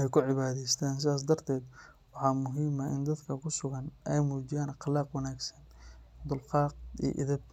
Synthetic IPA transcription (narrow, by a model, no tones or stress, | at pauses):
ɛjkʰʊʕɪβaːðɛst̪ʰaːns̬ɪðaːs̬d̪ɐrt̪ʰɛːd̪ | wɑħɑːmʊɦiːmɐʔɪ̰nd̪ɐd̪kʰɐkʰʊsʊɣɐnɛjmuːt͡ʃɪjaːnɑqlɑːqwɐnaːɡsɐ̥nd̪ʊlqɑːq̚ḭʔɪ̰ðɐb̚